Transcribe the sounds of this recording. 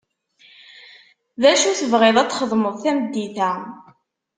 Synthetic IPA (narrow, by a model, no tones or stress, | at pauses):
ðæʃuθəvʁɪðˤæt͡sːχəðˤməðˤθæməd̪ːiθæ